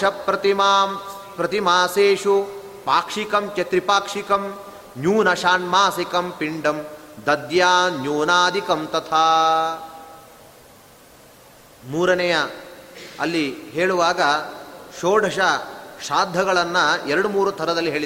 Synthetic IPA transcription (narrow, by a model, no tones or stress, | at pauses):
ɐpːɾɐt̪imaː | pɾɐt̪imaːseːʂu | paːkʂikɐmt͡ʃet̪ɾipaːkʂikɐm | njuːnɐʃaːnmaːsikɐmpiɳɖɐmd̪ɐd̪jaːnjuːnaːd̪ikɐmt̪ɐt̪ʰaː | muːɾɐnɐjɐ | ɐlːiɦeːɭuʋaːɡɐʃoːɖʱɐʂɐʃaːd̪ʱːɐɡɐɭɐnːɐɛɾɐɽumuːɾut̪ʰɐɾɐd̪ɐlːiɦeːɭi